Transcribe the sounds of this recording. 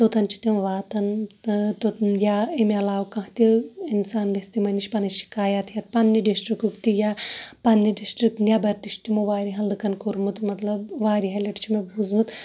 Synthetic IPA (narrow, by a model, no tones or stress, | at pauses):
t̪ot̪ɐnt͡ʃʰi̥t̪imʋaːt̪ɐnt̪ojaemeɐlaːwkɐ̃ɦt̪ʲiinsaːnlest̪imɐniʃʲpɐnɐʃi̥kaːjat̪jɐt̪̚pɐnːiɖisʈɾikukt̪ijapɐnːiɖisʈɾik̚ʈnʲjabɐɾt̪iʃt̪imoʋaːɾiɦɐld̪ɨkɐnkuɾmut̪mɐt̪lɐbʋaːɾiɦɐlʲɐʈt͡ʃʰimɐbʱuzmut̪